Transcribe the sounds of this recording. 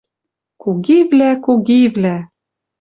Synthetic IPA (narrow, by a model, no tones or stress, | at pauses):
koɣivlækoɣivlæ